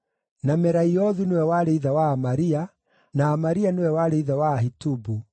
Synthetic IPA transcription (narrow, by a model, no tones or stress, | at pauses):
namɛɾaiɔðunewɛwaɾeiðawaːmaɾia | naːmaɾianewɛwaɾeiðawaɦitubu